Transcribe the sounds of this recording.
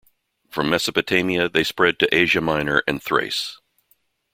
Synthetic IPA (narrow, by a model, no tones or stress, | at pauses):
fɹʌ̃mːɛsɨpɨtʰẽɪ̃miɨðeɪspɹɛd̚tɨʔeɪʒɨmãɪ̃nə˞ʔɨ̰̃nθɹḛɪs